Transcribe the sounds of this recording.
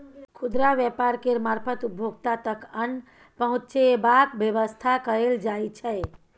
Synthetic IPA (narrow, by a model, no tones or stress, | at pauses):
kʰud̪ɾaʋjəpaɾkeɾmaɾpʰət̪ubʱjoɡt̪at̪əkən | pəɦũtt͡ʃebakbjəʋəst̪ʰakəɾeld͡ʒajt͡ʃʰəj